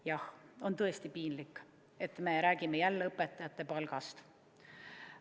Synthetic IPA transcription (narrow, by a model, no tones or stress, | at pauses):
jɑho̞nt̪ɤ̞est̪ipiːnlikːˑ | e̞t̪ːˑme̞ɾæːɡ̥ime̞jælːeɤpːˑet̪ːˑɑjɑt̪ːe̞pɑlɡ̥ɑst̪